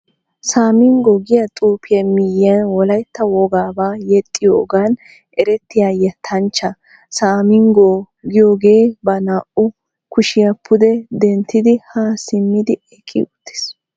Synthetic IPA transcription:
saːmɪŋɡɔɡɪjɐt̪ʼuːpʰɪjɐmɪjɪɐnwɔlɐjt̪ːɐwɔɡaːbaːjɛt̪ʼːɪjoːɡaːn | ʔɛɾɛt̪ːɪjaːjɐt̪ʰɐnt͡ʃːɐ | saːmɪŋɡo | ɡɪjoːɡe̞ːbɐnaːʔʊ | kʊʃɪjɐpʰːʊd̪ɛd̪ɛnt̪ʰːɪd̪ɪhasɪmːɪd̪ɪɛkʼːɪ̰ʊt̪ːe̥s

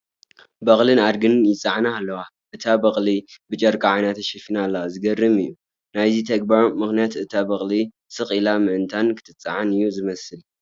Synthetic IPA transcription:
bɐχʼlɨnaɾɡɨnjɪt͡sʼaʕanaːlːɐwa | ʔɨt̪ʰabɐχʼlibɨt͡ʃʼɐɾkʼaʕajnat̪ɐʃɐfinaːlːɐwazɨɡɐrːɨmɨjːu | najzit̪ʰɐɡ̚baɾmɨxnijat̪ɨt̪ʰabɐχʼli | sɨxʼilamɨʔɨnt̪ʰankʰɨ̥t̪ʰɨt͡sʼːa̰ʕanɨjːuzɨmɐsɨl

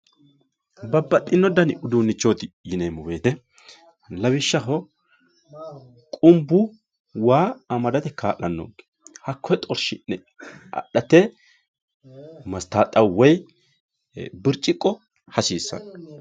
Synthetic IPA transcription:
bɐbːɐt̪ʼːɪnːɔd̪ɐnʊd̪uːnːɪt͡ʃːoːt̪ɪjɪneːmʊweːt̪ɛ | lɐbɪʃːɐɦɔ | kʼʊmbʊ | waːɐmɐd̪ɐt̪ɛkaːʔɐnːo̰ːɡ | hɐkʰːɔjt̪ʼɔɾʃɪnːɛ | ɐ̰ɗɐt̪ɛ | mɐst̪aːt̪ʼːɐwɔj | bɪɾt͡ʃʼːɪkʼːɔ | hɐsiːsːɐ̰n

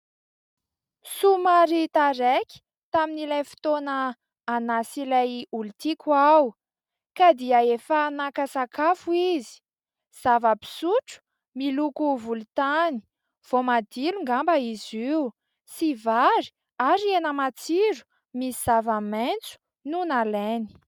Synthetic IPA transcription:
sumaɾit̪aɾekʲi̥ | t̪aminilajfi̥t̪onəː | nasilajulit̪ikuaw | kad̪iəefanakasakafuizi̥ | z̥avəpi̥suʈ͡ʂu̥ | milukuvulut̪ani̥ | v̥omad̪iluŋɡambəiziw | sivaɾi̥ | aɾienəmat͡siɾu̥ | misiz̥avament͡su̥ | nunaleni̥

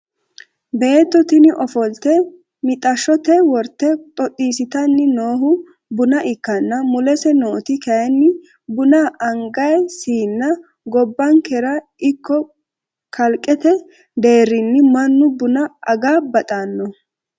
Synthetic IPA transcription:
be̞ːt̪ːɔt̪ɪnɪʔɔfɔlt̪ɛ | mɪt̪ʼɐʃːɔt̪ɛwɔɾt̪ːɛt̪ʼɔtʼːiːsɪt̪ɐnːɪno̞ːɦʊ | bʊnɐʔɪkːɐnːɐmʊlɛsɛnoːt̪ɪkɐjɛnːɪ | bʊnaːʔɐŋɡɐjsiːnːɐ | ɡɔbːɐŋkɛɾɐ | ɪkːɔ | kɐlkʼːɛt̪ɛ | d̪e̞ːɾːɪnːɪmɐnːʊbʊnɐʔɐɡaːbɐt̪ʼanːɔ

